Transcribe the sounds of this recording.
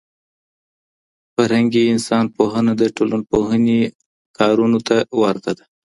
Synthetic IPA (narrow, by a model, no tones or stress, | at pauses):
faɾhaŋɡiɪnsɑnpoɦənad̪əʈolanpoɦəne | kɑɾunot̪awaɾt̪ad̪a